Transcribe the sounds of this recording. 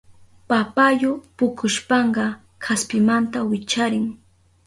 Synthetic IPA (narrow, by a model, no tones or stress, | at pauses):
papajʊpʊkʰʊʃpɑɴɢɑ | kʰaspɪmant̪awɪt͡ʃaɾɪŋ